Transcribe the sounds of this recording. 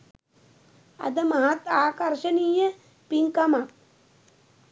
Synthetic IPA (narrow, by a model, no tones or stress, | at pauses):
ɐ̰d̪əmɐɦat̪aːkɐɾʃɐniːjə | piŋkɐmak̚